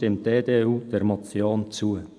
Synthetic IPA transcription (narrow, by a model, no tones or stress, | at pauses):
tɪmt̚deːdeːuːd̥ɛɾmɑt͡sjoːnt͡suə